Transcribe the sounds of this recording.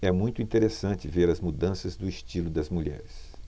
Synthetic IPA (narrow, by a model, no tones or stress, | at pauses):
ɛmũj̃t̪ʊĩnt̪eɾesɐ̃nt͡ʃɪveɾɐzmud̪ɐ̃sɐzd̪ʊist͡ʃilʊd̪ɐzmuʎɛ̰ɾɪs